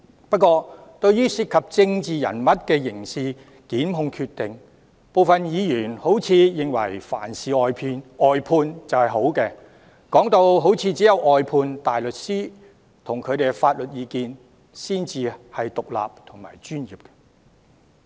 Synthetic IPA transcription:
pɐ˥t̚kʷɔː˧t̪ɵ˧ɥjyː˥siː˧t̚kʰɐ˨p̚t͡sɪ˧ŋt͡siː˨jɐ̰˨˩nmɐ˨t̚kɛː˧jɪ˨˩ŋsiː˨ | kiː˨˥nɦʊ˧ŋkʰyː˧t̪ɪ˨ŋ | po˨wfɐ˨njiː˨˧jyː˨˩nho˨˥wt͡sʰiː˨˧jɪ˨ŋwɐ̰˨˩jfa̰ː˨˩nsiː˨ɔː˨jpʰiː˧nɔː˨jpʰuː˧nt͡sɐ˨whɐ˨jɦo˨˥wkɛː˧ | kɔː˨˥ŋt̪o˧wɦo˨˥wt͡sʰiː˨˧t͡si˨˥jɐ˨˧wɔː˨jpʰuː˧nt̪aː˨jlɵ˨t̚siː˥ | t̪ʰʊ˨˩ŋkʰɵ˨˧ɥt̪e˨˩ɡɛ˧faː˧t̚lɵ˨t̚jiː˨˧kiː˨˧n | siː˥nt͡siː˨hɐ˨jt̪ʊ˨k̚la̰ː˨p̚t̪ʰʊ˨˩ŋma̰ː˨˩jt͡ʃyː˥njiː˨p̚kɛ̥

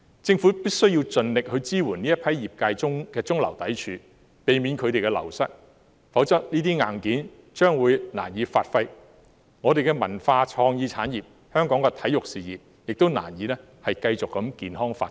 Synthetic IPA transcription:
t͡sɪ˧ŋfuː˨˥piː˥k̚sɵ˥ɥji˧wt͡sɵ˨nlɪ˨k̚hɵ˧ɥt͡siː˥wuː˨˩niː˥jɐ˥pʰɐ˨˥jjiː˨p̚kaː˧jt͡sʊ˥ŋkɛː˧t͡sʊ˥ŋlɐ̰˨˩wt̪ɐ˨˥jt͡ʃʰyː˨˧˥ | pe˨˧jmi˨˧nkʰɵ˨˧ɥt̪e˨jkɛ˧lɐ̰˨˩wsɐ˥k̚ | fɐ˨˥wt͡sɐ˥t̚niː˥t̪iː˥ŋaː˨˩nkiː˨˥n | t͡ʃœː˥ŋwuː˨˧jna̰ː˨˩njiː˨˧faː˧t̚fɐ˧j | ŋɔː˨˧ɾe˨jkɛ˧mɐ̰˨˩nfaː˧t͡ʃʰɔː˧ŋjiː˨˧t͡sʰa̰ː˨˥njiː˨p̚ | hœː˥ŋkɔː˨˥ŋkɛ˧t̪ʰɐ˨˥jʊ˨k̚siː˨jiː˨p̚ | jɪ˨k̚t̪wna̰ː˨˩njiː˨˧˥lɛː˥ | hɐ˨jkɐ˧jt͡sʊ˨kːɐ˨˥mkiː˨nɦɔː˥ŋfa̰ː˧t̚

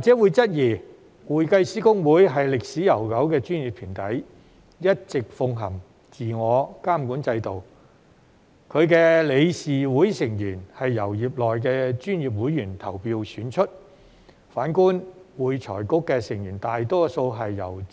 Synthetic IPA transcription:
waː˨k̚t͡sɛː˨˥wuː˨˧jt͡sɐ˥t̚jiː˨˩ | wuː˨˩jkɐ˧jsiː˨˥kʊ˥ŋwuː˨˥jɦɐ˨jlɪ˨k̚siː˨˥jɐ˨˩wkɐ˨˥wkɛː˧t͡ʃyː˥nji˨pʰiː˨˩nt̪ɐ˨˥j | jɐ˥t̚t͡sɪ˨k̚fʊ˧ŋɦɐ˨˩m | t͡siː˨ŋɔː˨˧kaː˥mkuː˨˥nt͡sɐ˧jt̪o˨w | kʰɵ˨˧ɥkɛː˧le˨˧jsiː˨wuː˨˥jsɪ˨˩ŋjyː˨˩nhɐ˨jːɐ˨˩wjiː˨p̚lɔː˨jk̬ɛː˧t͡ʃyː˥njiː˨p̬̚wu˨˥jːyː˨˩nt̪ʰɐ˨˩wpiː˧wsyː˨˥nt͡ʃʰɵ˥t̚ | faː˨˥nkuː˥nwuː˨˧jt͡sʰɔ̰ː˨˩jkʊ˥kːɛː˧sɪ˨˩ŋjyː˨˩nt̪aː˨jt̪ɔː˥so˧wɦɐ˨jːɐ̰˨˩w

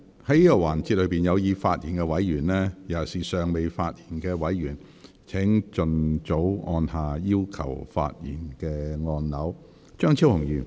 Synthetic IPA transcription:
hɐ˨˥jiː˥kɔ˧waː˨˩nt͡siː˧t̚lɵ˨˧˥piː˨˩njɐ˨˧wjiː˨˧faː˧t̚jiː˨˩nkɛː˧wɐ˨˥jjyː˨˩nlɛː˥jɐ˨˩siː˨˩sœː˨ŋme˨jfaː˧t̚jiː˨˩nkɛː˧wɐ˨˥jɥyː˨˩n | t͡sʰɛ˨˥ŋt͡ʃɵ˨nt͡so˨˥wɔː˧nhaː˨jiː˥wkʰɐ̰˨˩wfa̰ː˧t̚jḭː˨˩nkɛː˧ŋɔː˧nnɐ˨˥w | t͡ʃœː˥ŋt͡sʰi˥whʊ˨˩ŋjyː˨n

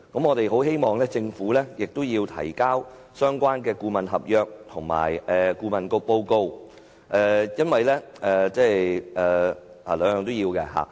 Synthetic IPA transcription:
kɐ˨˥mŋɔː˨˧t̪e˨jɦo˨˥whe˥jmɔː˨ŋlɛː˥t͡sɪ˧ŋfuː˨˥lɛː˥jɪ˨k̚t̪o˥wjiː˧wt̪ʰɐ̰˨˩jkaː˥w | sœː˥ŋkʷaː˥nkɛː˧kuː˧mɐ˨nɦɐ˨p̚jœː˨˧k̚t̪ʰʊ˨˩ŋma̰ː˨˩jɛː˨kuː˧mɐ˨nko˧wpo˧wko˧w | ʔɛː˧jɐ˥nwɐ˨jlɛː˥ɛː˨˧t͡sɛː˥˩ɛː˨ | a̰ː˨˩lœː˨˧jœː˨˧ŋt̪o˥wjiː˧wkɛ˧ɦa̰ː˨

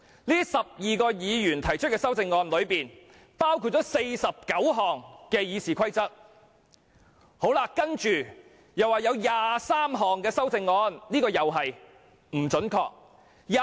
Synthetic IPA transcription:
liː˥sɐ˨p̚jiː˨kɔː˧jiː˨˧jyː˨˩nt̪ʰɐ˨˩jt͡ʃʰɵ˥t̚kɛː˧sɐ˥wt͡sɪ˧ŋːɔː˧nlɵ˨˧ɥpiː˨n | paː˥wkʰu˧t̚t͡sɔː˨˥se˧jsɐ˨p̚kɐ˨˥wɦɔː˨ŋkɛː˧jiː˨˧siː˨kʰɐ˥jt͡sɐ˥t̚ | ho˨˥wlaː˧kɐ˥nt͡ʃyː˨ | jɐ˨waː˨˩jɐ˨˧wjaː˨saː˥mɦɔː˨ŋkɛː˧sɐ˥wt͡sɪ˧ŋːɔː˧nliː˥kɔː˧jɐ˨wɦɐ˨j | m̩˨˩t͡ʃɵ˨˥nkʰɔ̰ː˧k̚ | ja

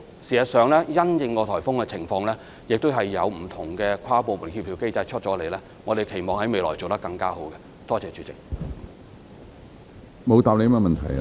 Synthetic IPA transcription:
siː˨˩ɐ˨˩sœː˨ŋlɛː˥jɐ˥njɪ˧ŋkɔː˧t̪ʰɔː˨˩jfʊ˥ŋkɛ˧t͡sʰɪ˨˩ŋfɔː˧ŋlɛː˥ | jɪ˨k̚t̪ʊ˥ɦɐ˨jːɐ˨˧wm̩˨˩t̪ʰʊ˨˩ŋkɛː˧kʷʰaː˥po˨wmuː˨˩nkʰiː˧p̪̚ʰiː˨˧wke˥jt͡sɐ˧jt͡ʃʰɵ˥t̚t͡sɔː˨˥le˨˩jlɛː˥ | ŋɔː˨˧d̪e˨jkʰe˨˩jmɔː˨ŋhɐ˨˥jme˨˧jlɔː˨˩jt͡so˨wt̪ɐ˥kɐ˧ŋkaː˥ɦo˨˥wkɛ˧ | t̪ɔː˥t͡sɛː˨˧t͡ʃyː˨˧˥t͡sɪ̰˨k̚ | mo˨˧wt̪aː˨p̚le˨˧jmɛː˥mɐ˨nt̪ʰɐ˨˩j

